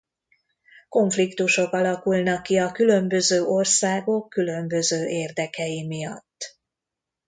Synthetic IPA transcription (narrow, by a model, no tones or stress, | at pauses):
ko̞ɱflikt̪uʃo̞kɒlɒkulnɒkːiɒkylø̞mbø̞zøːʔo̞rsaːɡo̞kːylø̞mbø̞zøːʔeːrd̪ɛkɛjimijɒt̪ː